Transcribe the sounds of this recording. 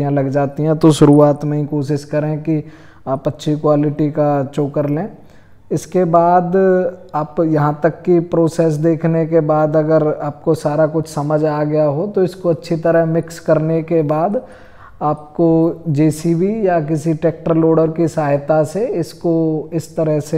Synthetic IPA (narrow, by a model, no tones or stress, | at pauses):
jãlɐɡd͡ʒaːt̪iɦɛ̃t̪oʃʊɾuːaːt̪məĩkoːʃ̬ɪʃkɐɾẽki | aːpɐtːʃʰikwaːlɪʈikat͡ʃoːkəɾlẽː | ɪskebaːd̪aːpjɐɦãt̪ɐkːipɾoːseːs̬d̪eːkʰnekebaːd̪ɐɡəɾaːp̚kosaːɾakʊt͡ʃʰsɐməd͡ʒaːɡɐjaɦot̪oɪskoɐtːʃʰit̪ɐɾəɦmɪkskɐɾnekebaːd̪ | aːp̚kod͡ʒiːsibijak̬ɪsiʈeːk̚ʈəɾloːɽəɾkisaːɦɪt̪aseɪskoɪst̪ɐɾəɦse